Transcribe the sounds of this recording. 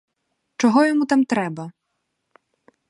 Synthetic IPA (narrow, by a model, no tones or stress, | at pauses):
t͡ʃɔɦɔjɔmut̪amt̪ɾɛbɐ